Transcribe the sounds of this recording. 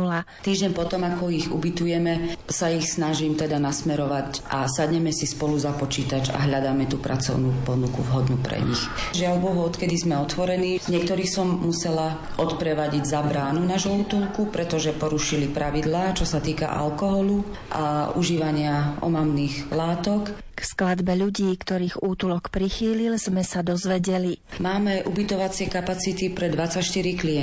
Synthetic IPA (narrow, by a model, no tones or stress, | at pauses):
lat̪iːʒɟɛɲpɔt̪ɔmakɔiɣṵbit̪ujɛmɛsaixsnaʒimt̪ɛd̪anasmɛɾɔʋacʔasad̪ɲɛmɛsispɔluzapɔt͡ʃiːt̪ad͡ʒa̰ɦʎad̪aːmɛt̪uːpɾa̰t͡sɔ̰ʊnupɔnukuvɦɔd̪nupɾɛ̰ɲḭxʒɪaʊbɔʋɔɔt̪kɛd̪izmɛɔt̪ʋɔɾɛniːɲɪɛkt̪ɔɾiːxsɔmːusɛla | ʔɔt̪pɾɛʋaɟiɟzabɾaːnunaʒɔut̪ulkupɾɛt̪ɔʒɛpɔɾuʃilipɾaʋid̪laːt͡ʃɔsat̪iːka̰ʔa̰lkɔɦɔlu | ʔa̰uʒiːʋaɲɪaɔ̰mamniːɣlaːt̪ɔk | ksklad̪bɛʎuɟiːkt̪ɔɾiːɣuːt̪ulɔkpɾixiːlilz̥mɛsad̪ɔzʋɛɟɛlimaːmɛʔubit̪ɔʋat͡sɪɛkapat͡sit̪ipɾɛd̪ʋat͡sacʃt̪iɾikliɛ